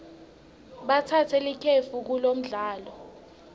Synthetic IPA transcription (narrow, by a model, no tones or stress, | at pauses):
ɓatʰatʰɛlikʰefuk̬ulom̩ɮaːlɔ